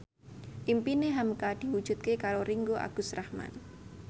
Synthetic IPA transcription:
ʔimpineɦamkad̪̥i̤wud̥ʒ̥ṳt̪̚kekaɾoɾiŋɡoʔa̰ɡ̥ʊ̤srahma̰n

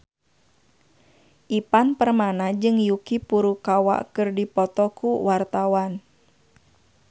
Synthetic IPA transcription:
ʔipanpərmanad͡ʒɨŋjukipuɾukawa̰ʔkɨrdipɔt̪ɔkuwart̪awan

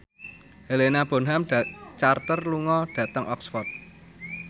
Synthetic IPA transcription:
helenab̥o̤nɦamt͡ʃart̪ərluŋɔɖ̥ä̤t̪əŋʔɔksfɔrt̪̚

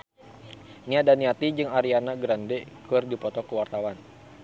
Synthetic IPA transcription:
niadaniat̪id͡ʒɨŋaɾianaɡɾandɛkɨrdipɔt̪ɔkəwart̪awan

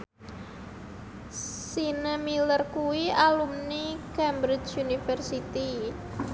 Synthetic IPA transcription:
sinəmilərkuwialumnikɛmbɾɪt͡ʃunifərsit̪i

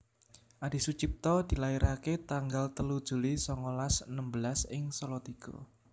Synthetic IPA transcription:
ʔad̥i̤sut͡ʃip̚t̪ɔd̪̥i̤laiɾʔaket̪aŋɡalt̪əlud̥ʒ̥ṳlisɔŋɔlasənəmbəlasɪŋsolɔt̪iɡ̥o̰

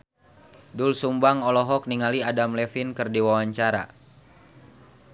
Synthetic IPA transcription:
dulsumbaŋɔlɔɦɔk̚niŋaliadamlɛfinkɨrdiwawaɲt͡ʃaɾa̰

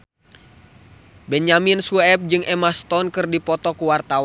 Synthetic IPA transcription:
bɛɲaminsuɛp̚d͡ʒɨŋʔɛmast̪ɔnkɨrdipɔt̪ɔkuwart̪awa

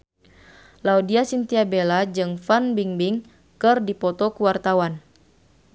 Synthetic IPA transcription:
laudiasint̪iabelad͡ʒɨŋfanbiŋbiŋ | kɨrdipɔt̪ɔkuwart̪awan

